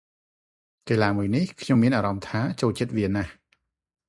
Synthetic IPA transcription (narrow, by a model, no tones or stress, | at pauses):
keːlaːmuəjnihkʰɲomːiənʔaːɾɑmt̪ʰaːt͡ɕoːlt͡ɕət̪̚ʋiənah